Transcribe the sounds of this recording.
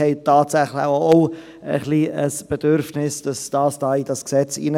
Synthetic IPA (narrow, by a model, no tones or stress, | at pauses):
ɛɪtɑːtsæχləoo | ə̰χliəsb̥ed̥ʏɾfnɪsd̥ɑsd̥ɑːsd̥ɑːid̥ɑsksɛt͡sḭːn